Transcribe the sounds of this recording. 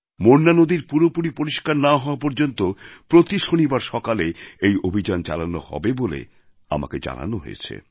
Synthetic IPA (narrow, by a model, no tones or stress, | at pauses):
moɾnanod̪iɾpuɾopuɾipoɾiʃkaɾnaɦɔoapoɾd͡ʑont̪opɾot̪iʃonibaɾʃɔkaleejobʱid͡ʑant͡ɕa̰lanohɔ̰bebolḛ | a̰ma̰ked͡ʑa̰na̰noɦo̰jet͡ɕʰḛ